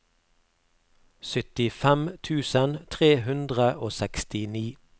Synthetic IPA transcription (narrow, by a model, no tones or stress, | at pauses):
sʏt̪ɪfɛmt̪ʰʉːsənt̪ʰʁeːɦʉnd̪ʁəʔoːsɛkst̪ɪniː